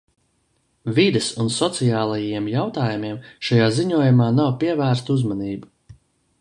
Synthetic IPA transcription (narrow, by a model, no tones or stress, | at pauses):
vid̪esunsɔt̪sijaːlˠajajiɛmjawt̪aːjumʲiɛmʃajaːziɲuɔjumaːnawpiɛvæːɾst̪uzmaniːbu